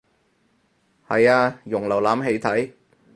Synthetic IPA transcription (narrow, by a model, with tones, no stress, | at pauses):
hɐ˨jaː˧jʊ˨˩ŋlɐ˨˩wlaː˨˥mɦe˧jt̪ʰɐ˨˥j